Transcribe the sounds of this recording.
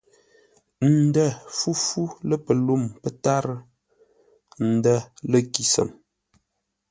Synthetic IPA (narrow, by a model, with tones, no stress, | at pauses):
n̩˨də˦˨fu˦fu˦lə˦pə˨lu˦˨mpə˦ta˦ɾə˦ | n̩˨də˦˨lə˦ki˨sə̰˨m